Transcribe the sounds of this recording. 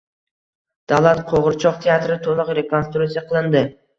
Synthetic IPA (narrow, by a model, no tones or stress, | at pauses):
d̪̥alˠat̪qʰoʁɨɾt͡ʃʰɒqt̪ʰejat̪ɾɪt̪ʰolˠʊqɾe̞kʰonst̪ɾut̪sijaqʰɨlˠɪnd̪ɪ